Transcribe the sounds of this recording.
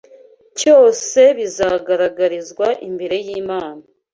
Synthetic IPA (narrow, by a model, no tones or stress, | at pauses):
t͡ʃjo̞ːse̞βizaɡaɾaɡaɾizɡwaʔimbeɾe̞jiːmaːna